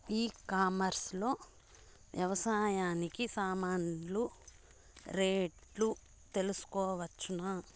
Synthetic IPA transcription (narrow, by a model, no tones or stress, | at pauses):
iːkaːmɐɾslo̞ː | ʋjɐʋɐsaːjaːnikisaːmaːnlu | ɾeːʈlu | t̪e̞lusu̥kɔːʋɐt͡ʃːuna